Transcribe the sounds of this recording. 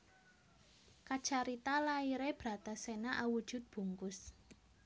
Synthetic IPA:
kat͡ʃaɾit̪alaiɾeb̥ɾa̤t̪asenaʔawud̥ʒ̥ʊ̤t̪̚b̥ṳŋkʊs

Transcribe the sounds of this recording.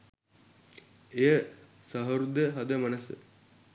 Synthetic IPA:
ejə | sɐɦəɾud̪əɦɐd̪əmɐnəsə̰

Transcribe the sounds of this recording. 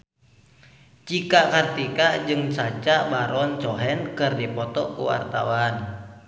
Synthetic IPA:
t͡ʃikakart̪ikaʔd͡ʒɨŋsat͡ʃaʔbaɾɔnt͡ʃɔɦɛnkɨrdipɔt̪ɔ̰ʔkṵwa̰rt̪awan

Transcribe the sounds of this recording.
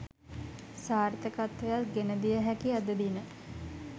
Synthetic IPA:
saːɾt̪əkat̪ʋejat̪ɡenəd̪ijəɦækiad̪əd̪inə

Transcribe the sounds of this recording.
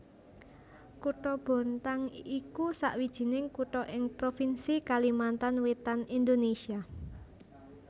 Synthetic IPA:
kuʈɔb̥o̤nt̪aŋikusa̰ʔwid̥ʒ̥i̤nɪŋkuʈɔʔɪŋpɾofinsikalimant̪anwet̪anind̪onesia

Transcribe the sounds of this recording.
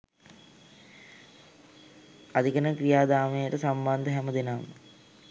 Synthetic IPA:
ad̪ikənəkrijaːd̪aːmejəʈəsamband̪əɦæməd̪enam

